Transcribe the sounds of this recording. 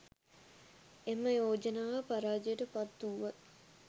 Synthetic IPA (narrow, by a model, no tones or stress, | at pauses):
emːəjoːd͡ʒənaːʋəpaɾaːd͡ʒejəʈəpat̪ːuːʋat̪